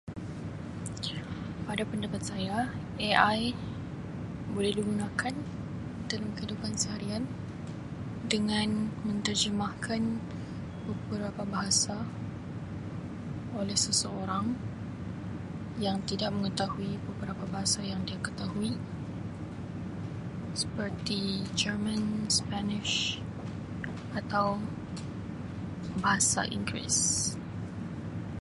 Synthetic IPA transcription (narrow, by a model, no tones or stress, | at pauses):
padapəndapat̪̚saja | eʔaj | bolɛhdiɡunakʰan | dalamkəidupansəɦaɾian | dəŋanmə̃nt̪ərd͡ʒəmahkʰan | bəbəɾapabaɦasa | olɛhsəsəoɾaŋ | jaŋt̪idaʔ̚məŋət̪ahuibəbəɾapabaɦasajaŋdiakət̪aɦui | sə̥pərt̪id͡ʒərmə̃nspanɪʃ | ʔat̪aw | baɦasa̰ʔḭŋɡɾḭs